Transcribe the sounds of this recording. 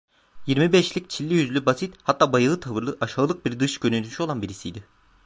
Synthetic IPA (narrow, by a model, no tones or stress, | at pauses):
jiɾmibɛʃlʲic̚t͡ʃʰilʲːijyzlʲybasit̪hat̪ːaːbajɯlˠɯt̪ʰavɯɾlˠɯʔaʃaːlˠɯk̚biɾd̪ɯʃɟønylʰyʃyolˠanbiɾisijd̪ɪ